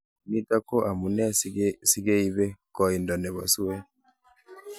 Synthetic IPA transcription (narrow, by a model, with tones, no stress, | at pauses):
ni˦ta˦ko˦ʔa˨mu˨nɛ˦a˦si˦ɡe˦i˦bɛ˦kɔ˨i˨ndɔ˨nɛ˨βa˨su˦we˦